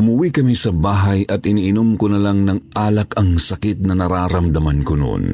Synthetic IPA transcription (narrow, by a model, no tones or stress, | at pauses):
ʊmʊwikɐmisɐbaːɦɐjʔɐt̪ɪniʔɪnomkonɐlaŋnɐŋʔaːlɐkɐŋsɐkit̪̚nɐnɐɾaːɾɐmd̪ɐmankono̰ʔo̰n